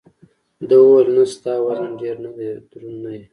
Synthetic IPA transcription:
d̪əwolnast̪ɑwaɾanɖeɾnad̪ed̪ɾunnaje

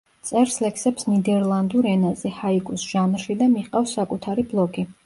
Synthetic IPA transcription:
t̪sʼɛɾslɛksɛpsnid̪ɛɾlˠand̪uɾɛnazɛhaikʼusʒ̥amɾʃid̪amiχqʼafsːakʼut̪ʰaɾiblˠɔɡʼi

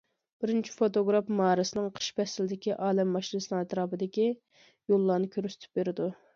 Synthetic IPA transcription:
b̥ɪɾɪnt͡ʃʰi̥fot̪oɡɾɑpmɑːɾɨsɨnɨŋqʰə̥ʃpɛsɪlɪd̪ɪkʲiʔɑːlɛmːɑʃinɨsɨlɨŋæt̪ɾɑːbɨd̪ɪkʲi | jolˠːɑɾnɨkʲʰøɾst̪ʰy̥p̚beɾɪd̪u

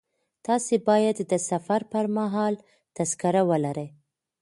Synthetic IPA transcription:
t̪ɑsebɑjad̪ːəsafaɾpəɾmaɦɑl | t̪askaɾawəlaɾəj

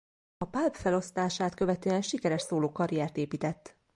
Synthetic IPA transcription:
ɒpalpfɛlo̞st̪aːʃaːt̪kø̞vɛt̪øːɛnʃikɛɾɛʃsoːloːkɒɾijɛrt̪eːpiːt̪ɛt̪ː

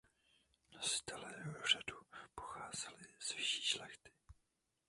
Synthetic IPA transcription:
nasɪ̥t̪ɛlɛr̝adupoxaːz̥ɛlɪz̥vɪʃi̥ːʃlɛxt̪ɪ̥

